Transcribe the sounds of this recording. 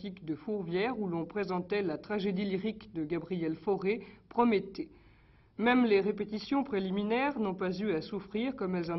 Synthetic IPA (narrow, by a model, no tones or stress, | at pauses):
t̪ikd̪əfuʁvjɛʁulɔ̃pχezɑ̃t̪ɛlat̪χaʒed̪iliʁikd̪əɡabʁijɛlfɔʁepχɔmet̪e | mɛmleʁepet̪isjɔ̃pχeliminɛʁnɔ̃pazyasufχiʁkɔmɛlzɑ̃